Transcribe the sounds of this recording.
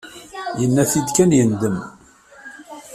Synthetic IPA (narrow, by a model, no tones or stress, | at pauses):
jənːæθid̪kænjənd̪əm